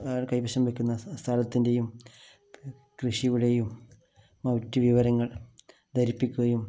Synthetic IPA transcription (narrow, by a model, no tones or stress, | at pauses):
kɐjpɐɕɐmʋekʲːunːɐst̪ʰaːlɐt̪ːinde̞jum | krɨʂiʋuɽejumː | ɐwtːiʋiʋɐɾɐŋːɐɭ | d̪ɐɾipːikʲːuɣɐjum